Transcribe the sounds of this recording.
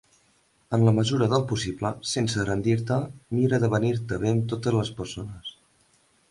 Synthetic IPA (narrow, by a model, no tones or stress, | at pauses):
ənləməzuɾəðəlˠpusibləsensərənd̪iɾt̪əmiɾəðəβəniɾt̪əβ̞emt̪ot̪əzləspəɾsonəs